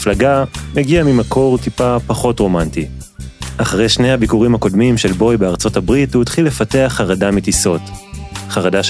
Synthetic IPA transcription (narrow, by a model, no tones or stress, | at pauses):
flaɡameɡiamimakʰo̞ʁtipapaχo̞tʁo̞manti | ʔaχaʁejʃne̞jhabikuʁimhako̞dmimʃelbo̞jbeaʁt͡so̞tabʁithutχilːefate̞aχaʁadamitiso̞tχaʁadaʃ